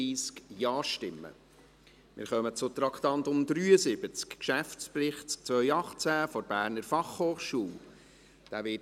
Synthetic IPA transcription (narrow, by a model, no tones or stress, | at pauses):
iːskjɑːʃtɪmːə̰ | mɪ̰ːɾχœmət͡sʊt̪ɾɑkt̪ɑnt̪ʊmd̪ɾyːəsɪb̥ət͡skkʃæft͡sprɪχtk̚t͡sʋvœjɑχt͡sæfɔɾbæːɾnəɾfɑχhoːχʃuːl | d̥æːʋɪ